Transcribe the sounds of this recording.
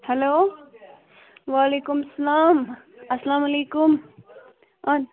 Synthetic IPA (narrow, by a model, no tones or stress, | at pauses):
heloː | waːleːkumɐsɐlaːm | ɐsɐlaːmɐleːkʊm | ɐn